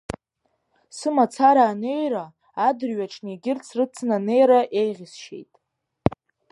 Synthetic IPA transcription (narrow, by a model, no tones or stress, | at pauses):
sɨmat͡sʰaɾaːne̞jraː | dɨrɥaʈ͡ʂʰniɡʲɪrt͡sʰrɨt͡sʰnane̞jɾaʔe̞jʁʲɪsʃe̞̰jtʼ